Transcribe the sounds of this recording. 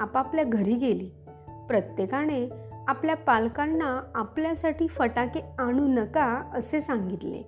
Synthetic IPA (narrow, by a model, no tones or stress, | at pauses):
apapljaɡʱəɾiːɡeliː | pɾət̪jekaɽ̃e | apljapalkanːaːpljasaʈiːfəʈakeaɽ̃unəkaəsesãŋɡit̪lḛ